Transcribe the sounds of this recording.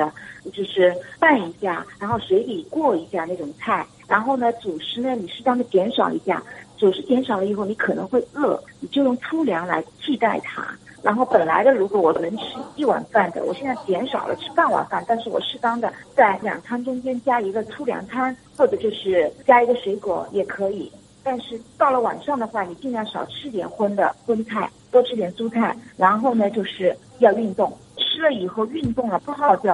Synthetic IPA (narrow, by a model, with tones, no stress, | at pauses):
d̪ə˦˧t͡ɕjo˥˧ʊʂɻ̩˥˩pa˥˩ni˧˥ɕja̰˥˩ɻa˧˥nxo˥˩ʂwe˧˥ɪt̪i˧˥˩kwɔ˥˩i˧˥ɕja˥˩˧na˥˩ʈ͡ʂʊ˨˩ŋt͡sʰa˥˩ɪ | ɻa˧˥nxo˥˩ʊnə˩t͡su˨˩ʂɻ̩˥nə˨ni˨˩ʂɻ̩˥˩t̪ɑ˥ŋd̪ə˨t͡ɕjɛ˧˥nʂɑ˨˩ʊḭ˧˥ɕja̰˥˩t͡su˨˩ʂɻ̩˧˥t͡ɕjɛ˧˥nʂɑ˨˩lə˦i˧˩xo˥˩ʊni˧˥kʰɤ˨˩nɤ̰˧˥ŋxwe˥˧ɪɤ˥˩ni˨˩t͡ɕjo˥˧ʊjʊ˥˩ŋt͡sʰu˥ljɑ˧˥ŋla̰˧˥ɪt͡ɕʰi˥˧t̪a˥˩ɪt̪ʰa̰˥ɻa˧˥nxo˥˩ʊpə˨˩nla̰˧˥ɪd̪ə˧ɻu˧˥kwɔ˧˥wɔ˨˩nə˧˥ŋʈ͡ʂ̩ʰ˥i˥˩wa̰˨˩nfa˥˩nd̪ə̰˩wɔ˨˩ɕjɛ˥˧nt͡sa˥˩ɪt̪jɛ˧˥nʂɑ˨˩ʊlə̰˦ʈ͡ʂʰɻ̩˥˧pa˥˩nwa̰˨˩nfa˥˧nt̪a˥˧nʂ̬ɻ̩˥˩wɔ̰˨˩ʂɻ̩˥˩t̪ɑ˥ŋd̪ə˨t͡sa˥˩ɪljɑ̰˨˩ŋt͡sʰa˥nʈ͡ʂʊ˥ŋt͡ɕjɛ˥nt͡ɕja˥i˧˥ɡə˧t͡sʰu˥ljɑ̰˨˩ŋt͡sʰa˥nxwɔ˥˩ʈ͡ʂɤ˨˩t͡ɕjo˥˧ʊʂɻ̩˥˩t͡ɕja˥i˧˥ɡə˧ʂwe˧˥ɪkwɔ̰˨˧˥jɛ˨˩kʰɤ˧˥i˨˩ | t̪a˥˧nʂɻ̩˥˩t̪ɑ˥˩ʊlə˩wa̰˨˩nʂɑ˥˩ŋd̪ə˩xwa˥˩ni˨˩t͡ɕi˥˧ŋjɑ˥˩ʂɑ̰˨˩ʊʈ͡ʂʰɻ̩˥t̪jɛ̰˨˩nxwə˥nd̪ə̰˨xwə˥nt͡sʰa˥˩ɪt̪wɔ˥ʈ͡ʂʰɻ̩˥t̪jɛ˨˩nsu˥t͡sʰa˥˩ɪɻa˧˥nxo˥˩ʊnə˩t͡ɕjo˥˧ʊʂɻ̩˥˩ | jɑ˥˧ʊy˥˧nt̪ʊ˥˩ŋ | ʈ͡ʂʰɻ̩˥lə˨i˨˩xo˥˧ʊy˥˧nt̪ʊ˥˩ŋlə˩pu˥˧xɑ˥˧ʊt͡ɕjɑ˥˩ʊ